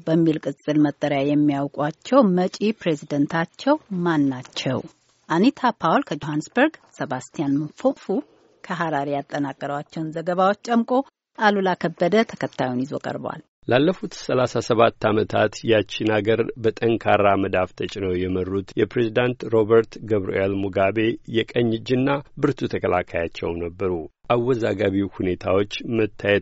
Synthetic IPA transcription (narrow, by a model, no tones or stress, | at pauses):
bəmːilkʼɨt͡sʼːɨlmət̪ʼːəɾjajɛmːijawkʼwat͡ʃːɛwmət͡ʃʼipɾe̞zid̪ənt̪ʰat͡ʃːɛwmanːat͡ʃːɛ̰w | ʔanit̪ʰapʰawlkʰəd͡ʒohansbəɾɡsəβast̪ʰijanmɨnfokʼfu | kʰəɦaɾaɾijat̪ʼːənakʼːəɾəwat͡ʃːɛwnzəɡəβawot͡ʃːt͡ʃəmkʼo̞ | ʔalulakʰəbːəd̪ət̪ʰə̥kʰət̪ʰːa̰junjizo̞̰kʼə̰ɾb̰wa̰l | lalːəfut̪səlasasəβat̪ːamət̪ʰat̪jat͡ʃːinaɡəɾbət̪ʼəŋkʰaɾaməd̪aft̪ʰət͡ʃʼɪnəwjɛmərːut̪jɛpɾezid̪ant̪ɾo̞bəɾt̪ɡəβɾṵʔelmuɡabe̞jɛkʼəɲːɨd͡ʒːɨnːabɨɾt̪ʰut̪ʰəkʰəlakʰajat͡ʃːɛ̰wnəbːəɾu | ʔawːɔzaɡaβiwhune̞t̪ʰawo̞t͡ʃːmət̪ʰːajɛt̪